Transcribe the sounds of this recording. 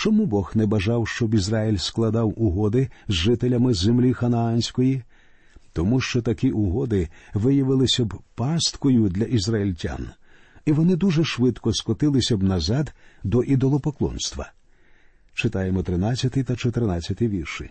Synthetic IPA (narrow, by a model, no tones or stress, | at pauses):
t͡ʃɔmubɔxnɛbɐʒɑwʃt͡ʃɔbizrailʲsklˠɐd̪ɑwʔʊɦɔd̪ɪzʒɪt̪elʲɐmɪzemlʲixɐnɐanʲsʲkɔji | t̪ɔmuʃt͡ʃɔt̪ɐkiʔʊɦɔd̪ɪʋɪjɐʋɪlˠɪsʲɐbpɑst̪kɔjʊd̪ʲlʲɐʔizrɐilʲtʲa̰n | iʋɔnɪd̪uʒɛʃʋɪt̪kɔskɔt̪ɪlˠɪsʲɐbnɐzɑd̪d̪ɔʔid̪ɔlˠɔpɔklˠɔ̰nst̪ʋɐ̰ | t͡ʃɪt̪ɑjemɔt̪ɾɪnat͡sʲːɐt̪ɪjt̪ɐt͡ʃɔt̪ɪrnɑt͡sʲːɐt̪ɪjʋʲirʃɪ